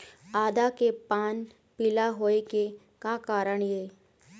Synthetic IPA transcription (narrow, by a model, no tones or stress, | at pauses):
aːd̪akepaːn | pilaɦoːeke | kakaːɾəɽ̃jeː